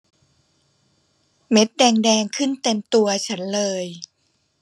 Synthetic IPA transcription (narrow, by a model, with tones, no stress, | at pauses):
me˦˥t̪̚dɛː˧ŋdɛː˧ŋkʰɯ˥˩nt̪e˧mt̪u˧ɐt͡ɕʰa˦˥nlɤː˧j